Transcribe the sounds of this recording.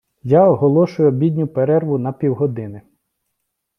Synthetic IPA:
jaɔɦɔlˠɔʃʊjʊɔbʲid̪ʲnʲʊpeɾɛrʋʊnɐpʲiwɦɔd̪ɪnɪ

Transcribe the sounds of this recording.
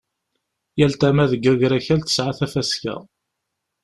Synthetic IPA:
jælt̪æmæðəɡːæɡɾæçælt̪ə̥sʕaθæfæskæ̰

